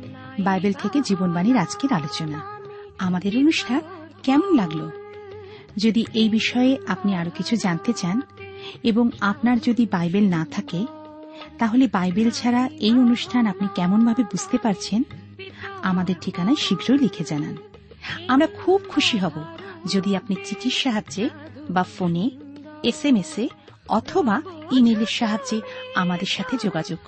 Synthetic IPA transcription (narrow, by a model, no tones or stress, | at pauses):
bajbelt̪ʰeked͡ʑibonbaniɾad͡ʑkeɾalot͡ɕona | amad̪eɾonuʃʈʰankɛmonlaɡlo | d͡ʑod̪iʔejbiʃɔeeapniaɾokit͡ɕʰud͡ʑant̪et͡ɕaneboŋapnaɾd͡ʑod̪ibajbelnat̪ʰake | t̪aɦolebajbelt͡ɕʰaɾaejonuʃʈʰanapnikɛmonbʱabebud͡ʑʱt̪epaɾt͡ɕʰen | amad̪eɾʈʰikanaeʃiɡɾojlikʰed͡ʑanan | amɾakʰub̚kʰuʃiɦɔbod͡ʑod̪iapnit͡ɕit͡ɕiʃaɦaebafoneesemese | ɔt̪ʰobaimeleɾʃaɦad͡ʑeamad̪eɾʃat̪ʰed͡ʑoɡad͡ʑoɡ̥